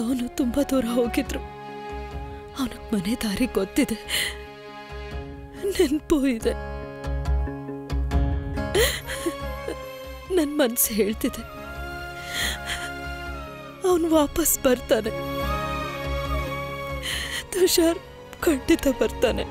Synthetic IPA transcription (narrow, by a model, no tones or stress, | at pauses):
ɐʋnut̪umbɐd̪uːɾɐɦoːɡid̪ɾu | ɐʋnɐɡmɐned̪aːɾiɡot̪ːid̪e̞ | nenpojid̪e | nɐnːmɐnsɦe̞ːɭt̪id̪e | ɐʋnʋaːpɐsbɐɾt̪aːne̞ | d̪uʃaːɾ | kɐɳɖit̪ɐbɐɾt̪aːne̞